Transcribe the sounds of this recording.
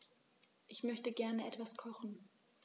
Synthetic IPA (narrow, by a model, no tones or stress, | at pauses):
ʔɪçmœçtəɡɛɐnəʔɛtv̥askʰɔχn̩